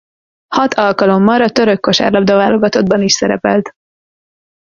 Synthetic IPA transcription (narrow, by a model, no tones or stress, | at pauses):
hɒt̪ʰɒlkɒlo̞mːɒɾɒt̪ø̞ɾøkːo̞ʃa̰ːrlɒbd̪ɒvaːlo̞ɡɒt̪o̞d̪̚bɒniʃsɛɾɛ̰pɛlt̪